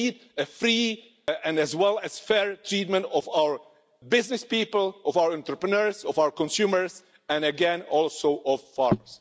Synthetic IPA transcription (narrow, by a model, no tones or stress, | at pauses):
id | ɨfɹi | ɛ̃næzwɛlˠæz̥fɛɹtʰɹiːt̚mə̃ntɔvawə˞ | bɪznɪspiːpəlˠʔɔvaʊəɹɛ̃nt̪ɾəpɹənɛɹzɔvawəɹkɔ̃nsuməɹz | æ̃nɨɡɛ̃nɔlˠsoʊʔɔvfɑɹməs